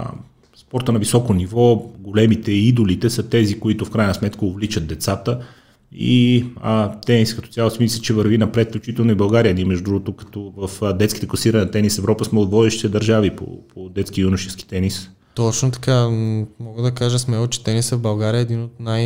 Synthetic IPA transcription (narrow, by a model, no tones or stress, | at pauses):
spɔɾt̪ənɐvisɔkonivɔɡolɛmit̪ɛid̪olit̪ɛsət̪ɛzikoit̪ʊfkɾajnɐsmɛt̪kəovlit͡ʃət̪̚ːɛt̪sat̪ə | ḭət̪ɛniskɐt̪ɔ̥t̪ʲalˠosimislʲit͡ʃɛvɐɾvinɐpɾɛt̪flʲut͡ʃit̪ɛlˠnʊibɐlˠɡaɾiəd̪imɛʒd̪ɾuɡot̪okɐ̥t̪ɔvəfd̪ɛt̪ski̥t̪ɛklˠɐsiɾɐnt̪ɛnisɛvɾɔpəsmɛod̪vɔd̪ɛʃt̪i̥t̪ɛd̪ɐɾʒavipo̰pʰod̪ɛt̪skijunʊʃɛski̥t̪ɛnis | t̪ɔt͡ʃnot̪ɐ̥kamɔɡəd̪ɐkaʒəsmɛlˠot͡ʃɛ̥t̪ɛnisəvbɐlˠɡaɾiəɛːd̪inot̪naj